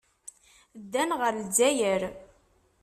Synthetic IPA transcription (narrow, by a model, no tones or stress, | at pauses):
d̪ːænʁəɾld͡zæjəɾ